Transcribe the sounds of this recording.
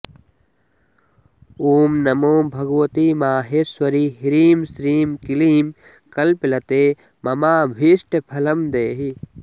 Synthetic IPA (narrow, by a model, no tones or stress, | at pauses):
uːmnɐmoːmbʱɐɡwɐt̪iːmaːɦeswɐɾiɦiɾiːmsɾiːmkiliːm | kɐlplɐt̪eː | mɐmaːbʱiːsʈɐpʰɐlɐmd̪eːɦi